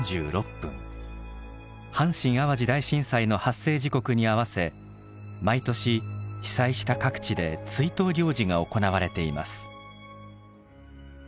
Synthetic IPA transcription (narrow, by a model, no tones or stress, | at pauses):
d͡ʑɨ̰ːɾo̞pːɯ̰̃ŋ | hãɰ̃ɕĩɰ̃aβaʑid̪aiɕĩsaino̞hasːe̞ːʑiko̞kɯ̟ɲ̟iaβase̞ | mait̪o̞ɕiçi̥saiɕi̥t̪akakɯ̟̥t͡ɕid̪e̞t͡sɨit̪o̞ːɾʲo̞ːd͡ʑiŋaoko̞naβ̞aɾe̞t̪e̞ima̰sɨ̥